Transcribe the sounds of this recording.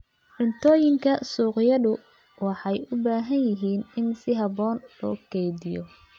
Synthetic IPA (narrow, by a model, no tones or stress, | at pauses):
ʕ̥ʊnt̪ʰɔːjɪŋkʰɐsuːqjɐðʊ | wɑħɑjʊbaːɦɐnjɪɦiːnɪnsɪɦɑbɔːnlɔ̰ːkʰɛjðɪjɔ